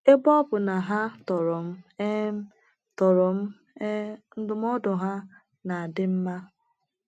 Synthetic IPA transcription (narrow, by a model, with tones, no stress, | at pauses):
e˦bɔ˦bʊ˨na˨ɦa˦tɔ˨ɾʊ˨m̩˦ | tɔ˨ɾʊ˨m̩˦ | e˦n̩˦dʊ˦m˦ɔ˦dʊ˨ɦa˦ | na˨a˨dɪ˦m̩˦ma˦